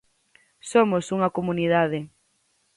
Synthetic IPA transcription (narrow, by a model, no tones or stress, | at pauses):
somʊsuŋɐkomuniðaðɪ